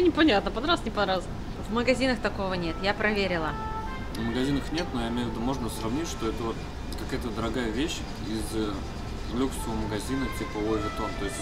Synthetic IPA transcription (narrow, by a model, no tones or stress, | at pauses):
nʲɪpɐnʲat̪nəpɐd̪ɾasnʲɪpɐnɾas | vməɡɐzʲinəxt̪ɐko̞vənʲe̞t̪japɾɐvʲeɾʲɪlˠə | nəməɡɐzʲinəxnʲe̞t̪nojaɪmʲejʊvʲɪd̪umo̞ʐnəsɾɐvnʲitʲʂt̪o̞ɛt̪əvot̪̚ | kɐkajət̪əd̪əɾɐɡajəvʲeɕ | iz | vlʲuksəvəməɡɐzʲinətʲipəovʲɪt̪ont̪o̞jɪsʲtʲ